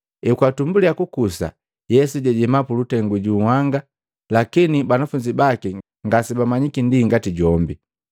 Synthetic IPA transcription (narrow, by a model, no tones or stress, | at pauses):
ɛkwatumbuliakukusa̰ | jɛsuɟɛɟɛmapulutɛŋɡuɟuːhaŋɡa | lakinibanafuɲd͡ʒibaki | ŋɡasibamaɲikindiŋɡatiɟɔmbi